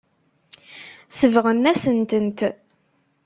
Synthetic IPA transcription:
səvʁənːæsənt̪ənt̪

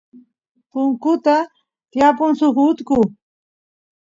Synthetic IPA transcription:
pʊŋkʊt̪a | t̪japʊŋsʊχʊt̪kʊ

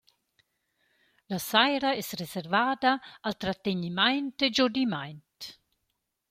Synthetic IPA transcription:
lasajɾaɛsresɛɾvaːd̪aalt̪ɾat̪eɲimajnt̪ed͡ʒod̪imajnt̪

